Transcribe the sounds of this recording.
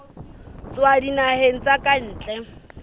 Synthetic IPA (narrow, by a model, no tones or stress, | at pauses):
t͡swadinaheŋ̩t͡sʼakʼan̩ːt͡ɬʼɛ